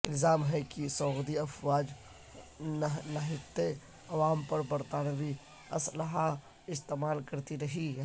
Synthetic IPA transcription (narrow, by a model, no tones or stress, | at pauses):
ɪlzaːmɦɛkisɔːɣd̪iɐfwaːd͡ʒ | nɐɦɪt̪ːe | ɐʋaːmpɐɾbɐɾt̪aːnʋi | ɐsləɦa | ɪst̪eːmaːlkɐɾt̪iɾɐɦiɦɛ